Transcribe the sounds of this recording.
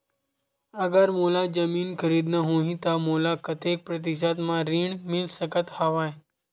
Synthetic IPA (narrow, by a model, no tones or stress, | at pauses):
əɡəɾmulad͡ʑəmiːnkʰəɾiːd̪nəɦoɦĩt̪amolakət̪ek̚pɾət̪̬isat̪mãɾiːɳmilsəkət̪haʋaj